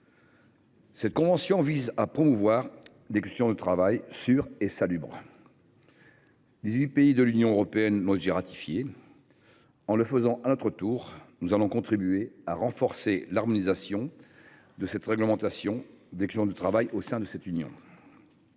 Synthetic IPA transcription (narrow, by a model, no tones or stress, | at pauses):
sɛt̪̚kɔ̃vɑ̃sjɔ̃vizapχɔmuvwaʁ | d̪ekɛst̪jɔ̃d̪ət̪χavajsyʁesalybʁ | d̪izɥipeid̪əlynjɔ̃øʁɔpeɛnmɔʒiʁat̪ʰi̥fje | ɑ̃ləfəzɑ̃ʔanɔt̪χət̪uːʁnuzalɔ̃kɔ̃t̪χibyeaʁɑ̃fɔʁselaʁmɔnizasjɔ̃ | d̪əsɛt̪ʁɛɡləmɑ̃t̪asjɔ̃d̪ɛkst̪jɔ̃d̪ət̪χavajosɛ̃d̪əsɛt̪ynjɔ̰̃